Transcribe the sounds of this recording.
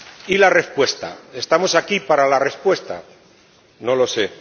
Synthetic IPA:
ilare̞spwe̞st̪a̰e̞st̪amo̞sakipaɾalare̞spwe̞st̪a̰ | no̞lo̞se̞

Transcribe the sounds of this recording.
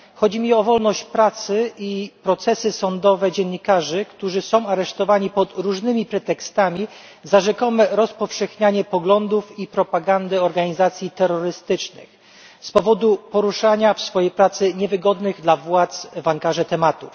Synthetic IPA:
xɔd͡ʑimʲiɔvɔlnɔɕt͡ɕpɾat̪sɘipɾɔt̪sɛsɘsɔnd̪ɔvɛd͡ʑɛnːikaʐɘkt̪uʐɘsɔ̃w̃aɾɛʂt̪ɔvaɲipɔt̪ɾuʐnɘmʲipɾɛt̪ɛkst̪amʲi | zaʐɛkɔmɛɾɔspɔfʂɛxɲaɲɛpɔɡlɔnd̪ufipɾɔpaɡand̪ɘɔɾɡaɲizat̪sʲjit̪ɛɾːɔɾɘst̪ɘt͡ʂnɘ̰x | spɔvɔd̪upɔɾuʂaɲafsfɔjejpɾat̪sɘɲɛvɘɡɔd̪nɘɣd̪lavwat̪svaŋkaʐɛt̪ɛmat̪ṵf

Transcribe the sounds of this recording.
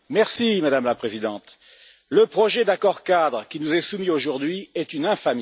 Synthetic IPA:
mɛʁsimad̪amlapχezid̪ɑ̃t̪ | ləpχɔʒɛd̪akɔʁkad̪ʁkʲinuzɛsumioʒuʁd̪ɥiɛt̪ynɛ̃fam

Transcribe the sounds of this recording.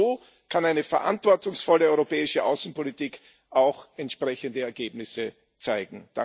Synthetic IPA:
oː | kʰanaɪnəfɛɐʔã̰ntv̥ɔɐtʊŋsfɔləɔʏʁopɛːɪʃəʔa̰ʊsn̩politiːk | ʔaʊxɛntʃpʁ̥ɛçəndəɛɐɡeːbnɪsə | t͡saɪɡŋ̩d̥a̰

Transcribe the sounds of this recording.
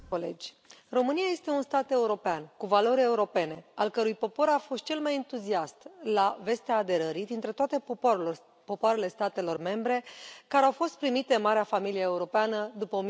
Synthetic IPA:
olḛd͡ʒʲ | ro̞mɨnijaje̞st̪e̞unst̪at̪e̞uɾo̞peankuvalo̞ɾʲeuɾo̞pe̞ne̞alkəɾujpo̞po̞ɾafo̞st̪̚t͡ʃe̞lmajent̪uziast̪lave̞st̪eaːd̪e̞ɾəɾid̪int̪ɾe̞t̪oat̪e̞ | po̞poaɾe̞le̞st̪at̪e̞lo̞rme̞mbɾe̞kaɾeawfo̞st̪̚pɾimit̪enmaɾeafamilijeeuɾo̞peanəd̪upəom

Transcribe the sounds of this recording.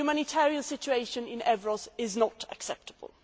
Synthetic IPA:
umanɪtʰɛːɹiə̃nsɪt͡ʃueɪʃə̃nɪ̃nʔɛvɹɔzɪznətʰə̰ksɛp̚təb̥ə̰lˠ

